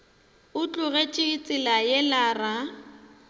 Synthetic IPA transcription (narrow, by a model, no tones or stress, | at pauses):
ʊt͡ɬʼʊɣet͡ʃʼɪit͡sʼɪlajɛlaːra